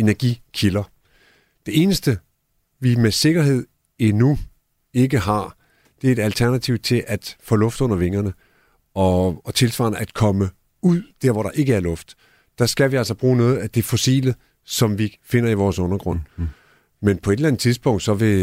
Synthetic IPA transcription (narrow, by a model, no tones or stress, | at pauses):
e̝næɐɡ̥ikʰilɐ | d̥e̝e̝ːnəsd̥ə | ʋimese̝ɡ̥ɐɦe̝ð̰ˠ | enu | e̝ɡəɦɑ̈ | d̥e̝ɐe̝ɾælt͡sʰæɐnæt͡sʰiʊt͡sʰe̝lʔæd̥fɔ̰ːlɔ̽fd̥ɔ̽n̰ɐʋe̝ŋɐnə | ɒ̽ːt͡sʰe̝lsʋɑ̰̈ːnəʔæd̥kʰɒ̽mə | uð̰ˠd̥æɐ̰ʋɒɾ̥ɑ̈ʔe̝ɡ̥əæɐlɔ̽fd̥ | d̥ɑ̈sɡ̥æʋiæl̰sɐb̥ʁuːnɔ̽ːð̩ˠæd̥e̝fɔsḭːlə | sɒ̽mʋife̝n̰ɐiʋɒːsɔ̽nɐɡ̥ʁɔ̽n̰ | menpʰɒ̽e̝d̥lænð̩ˠt͡sʰiðˠsb̥ɔ̽ŋ̰d̥sɒ̽ʋe̝